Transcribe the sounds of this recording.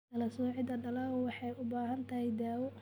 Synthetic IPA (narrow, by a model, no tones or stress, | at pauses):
d̪ɐlɐsuːʕɪd̪ɐɖɐlɐwɑħɑjʊbaːɦɐnt̪ʰɐhɛjd̪aːwɔ